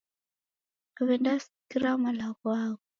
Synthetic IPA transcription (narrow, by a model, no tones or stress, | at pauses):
aβɛndasikiɾamalaɣwaɣɔ